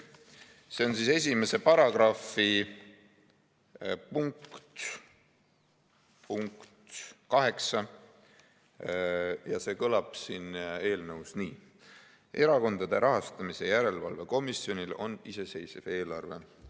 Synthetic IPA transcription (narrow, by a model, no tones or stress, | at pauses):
se̞o̞nsiːse̞s̬ʲime̞se̞pɑɾɑɡ̥rɑfi | puŋkt̪ | puŋkt̪kɑɦe̞ksɑ | jɑse̞ːkɤlɑb̥siːne̞ːlnɤwsniː | ʔe̞ɾɑko̞nd̪̥ɑd̪̥e̞ɾʔɑɦɑst̪ɑmise̞jæɾe̞lvɑ̰lve̞ko̞misio̞nʲilo̞̰nise̞se̞jsev̥e̞ːlɑrve̞̰